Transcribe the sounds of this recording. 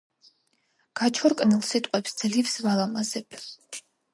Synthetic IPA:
ɡ̥at͡ʃʰɔɾkʼnilˠsit̪ʼqʼɛpsd̪z̥livsvalˠamazɛbʰ

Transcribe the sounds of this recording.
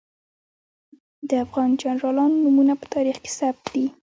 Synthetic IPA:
d̪əafɣɑnd͡ʒanɾɑlɑnnumunapə̥t̪ʰɑɾixke̥sab̚t̪d̪i

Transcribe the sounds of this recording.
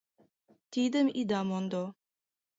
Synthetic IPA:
t̪id̪əmid̪amɔnd̪ɔ

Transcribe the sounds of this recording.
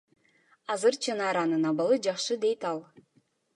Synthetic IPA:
ɑzɯɾt͡ʃʰɯnɑːɾɑnɯnɑβɑlˠɯd͡ʒɑχʃɯd̪e̞jt̪ɑlˠ

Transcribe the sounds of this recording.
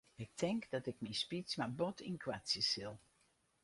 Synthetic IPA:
ɪk̚tɛŋkdɑtɪkmispismabɔtʰɪnkwasjəsɪlˠ

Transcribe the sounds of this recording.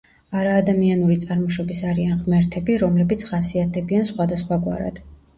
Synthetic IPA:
aɾaːd̪amianuɾit̪sʼaɾmɔʃɔbisaɾianʁmɛɾt̪ʰɛbiɾɔmlɛbit̪sʰχasiat̪ʰɛbiansχwad̪asχwaɡwa̰ɾa̰d̪̥

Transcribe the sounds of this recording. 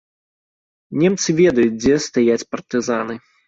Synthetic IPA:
nʲɛmt̪sɨvʲɛd̪ɐjut͡sʲd͡zʲɛst̪ajat͡sʲpɐrt̪ɨzanɨ

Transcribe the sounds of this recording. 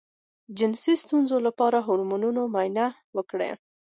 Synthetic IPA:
d͡ʒɪnsist̪unzolapɑɾaɦʊɾmununomajna | wəkɽḛ

